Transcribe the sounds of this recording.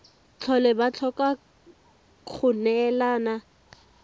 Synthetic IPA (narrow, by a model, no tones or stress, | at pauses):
t͡ɬʰɔlɛbat͡ɬʰɔka | kʰʊnɛlaːna